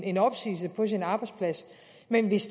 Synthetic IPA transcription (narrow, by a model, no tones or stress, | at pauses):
e̝nɒ̽b̥sḭːs̬əpʰɒ̽s̬inɑ̈ːb̥ɑ̈ɪd̥spʰlæs | menʋe̝s